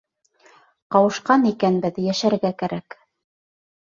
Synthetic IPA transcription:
qɑwɤ̆ʃqɑnikænbɘðjæʃæɾɡækæɾæk

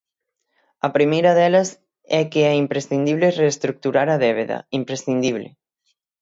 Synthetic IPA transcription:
ɐpɾimejɾɐðɛlas | ɛkeɛimpɾesθind̪iβlereːst̪ɾuk̚t̪uɾaɾɐðɛβ̞eðɐ̰impɾesθind̪iβ̞lḛ

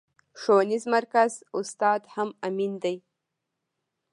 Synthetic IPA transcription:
ʂoːnizmarkazust̪aːd̪ħamamind̪ej

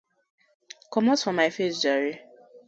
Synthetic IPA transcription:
kɔmɔtfɔ̃maɪfesd͡ʒɔɹi

